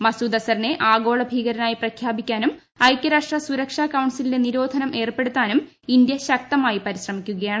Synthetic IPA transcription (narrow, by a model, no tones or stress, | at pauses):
mɐsuːd̪ɐsɐrine̞ʔaːɡo̞ːɭɐbʱiːɣɐɾɐnaːjiprɐkʰjaːbikʲːaːnum | ɐjkʲːɐɾaːʂʈrɐsuɾɐkʂaːkɐwɳsilineniɾo̞ːd̪ʱɐnɐmʔe̞ːrpe̞ɽut̪ːaːnum | ind̪jɐɕɐk̚t̪ɐmaːjipɐɾiɕrɐmikʲːuɣɐjaːɳɨ